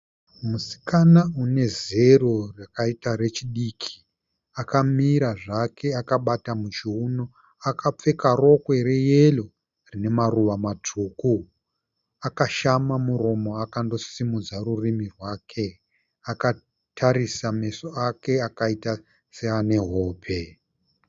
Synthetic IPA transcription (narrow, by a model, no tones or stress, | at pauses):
musi̥kanaune̞ze̞ro̞rakaitaɾe̞t͡ʃiɗiːkʰi̥ | akamiɾaʐakʰe̞akaɓatamut͡ʃiuno | akʰap͡fe̞karo̞kwe̞ɾe̞jelo̞ | rine̞maruʋamatʰuːku | akaʃamamuɾo̞mo̞akando̞simud͡zaɾurimirwaːkʰe̞ | aka | tʰaɾisame̞soake̞akaita | seane̞ɦo̞ːpʰe̞